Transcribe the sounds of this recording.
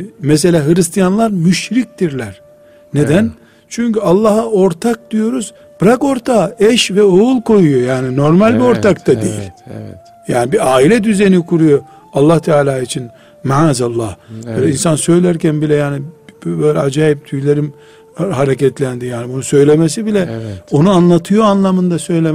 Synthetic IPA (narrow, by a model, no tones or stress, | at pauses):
mɛs̬e̞lʲaːɦɯɾist̪ʰijanlˠaɾmyʃɾic̚d̪iɾlʲæɾ | ned̪æn | t͡ʃʰyɲcyalˠːɑɦao̞ɾt̪ʰak̚d̪̥ijo̞ɾuz | b̥ɾako̞ɾt̪ʰaɛʃvɛoulˠko̞jujo̞jaːnino̞ɾmalʲbio̞ɾt̪akt̪ad̪ḭjḭlʲ | jaːnibiaːilʲɛd̪yzenikʰuɾujo̞ | alˠːaht̪ʰɛaːlʲaːit͡ʃʰin | maazalˠːahbøjlʲɛinsansø̞jlʲæɾcænbilʲɛjaːnibbøjlʲɛad͡ʒaːjip̚t̪ʰyjlʲeɾim | ɦaɾecɛt̪lʲænd̪ijaːnibunusø̞jlʲemesibilʲɛo̞nuanlˠat̪ʰɯjo̞anlˠamɯnd̪asø̞jlʲe